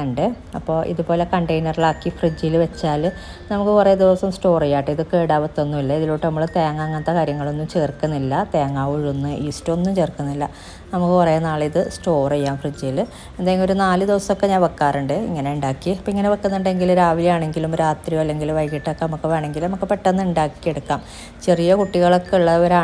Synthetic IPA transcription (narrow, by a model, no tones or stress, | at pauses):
ɳɖɨ | ɐpːo̞ːʔḭðubo̞ːle̞kɐɳɖejnɐriɭaːkːifrid͡ʑːijlʋet͡ɕːaːl | nɐmukːɨpɐrɐjːɐd̪iʋɐsɐmsʈo̞ːrejːaːʈːɨiðɨkeːɽaːʋɐt̪ːo̞nːumilːɐiðiloːʈːɨnɐmːuɭt̪eːɐŋːaːŋːɐnt̪ːɐkaːɾjɐŋːɐɭo̞nːumt͡ɕe̞ːrkːunːilːɐt̪eːŋːaːʋuɻonːɨʔiːstːuonːumt͡ɕe̞ːrkːunːilːɐ | nɐmukːɨpɐrɐjɐnːaːɭiðɨsʈo̞ːrejːaːmfrɨd͡ʑːiil | e̞nd̪aːjɐŋɡioɾunaːlɨd̪iʋɐsɐmokːe̞ɲaːnʋɐkːaːruɳɖɨḭŋːɐne̞uɳɖaːkːiɐpːoiŋːɐneʋɐkːɐnːuɳɖe̞ŋɡilɾaːʋiljaːɳe̞ŋɡilumɾaːt̪rijoɐlːe̞ŋɡiluʋɐjkːiʈːokːenɐmukːɨʋeːɳe̞ŋɡilnɐmukːɨpeʈːɐnːuɳɖaːkːijeɽukːaːm | t͡ɕe̞rijɐkuʈːiɣɐɭokːeuɭːɐʋɐɾaː